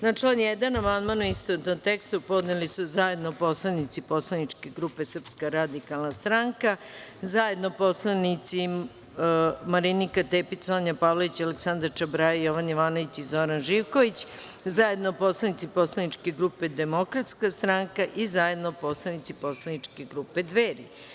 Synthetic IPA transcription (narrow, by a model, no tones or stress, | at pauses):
naʈ͡ʂlanjɛd̪anamand̪manuist̪onot̪nomt̪ekst̪upo̞d̪nelisuzaje̞d̪nopo̞slˠanit̪sipo̞slˠanit͡ʂke̞ɡɾupe̞sr̩pskaɾad̪ikalˠnast̪ɾaŋka | zaje̞d̪nopo̞slˠanit̪si | maɾinikat̪eːpisoɲapaːʋloʋit͡ɕaleksand̪aɾt͡ʃabɾajajoʋanjiʋaːnoʋit͡ɕizo̞ɾanʒiʋko̞ʋit͡ɕ | zaje̞d̪nopo̞slˠanit̪sipo̞slˠanit͡ʂke̞ɡɾupe̞d̪e̞mo̞kɾat̪skast̪ɾaŋkaʔizaje̞d̪nopo̞slˠanit̪sipo̞slanit͡ʂke̞ɡɾuːpe̞d̪ʋeːɾḭ